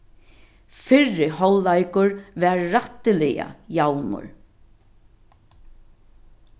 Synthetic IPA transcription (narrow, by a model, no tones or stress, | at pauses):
fɪɻːɪhɔlːajkʊɹʋɛːɹːat̪ɪlɪja̰jawnʊ̰ɹ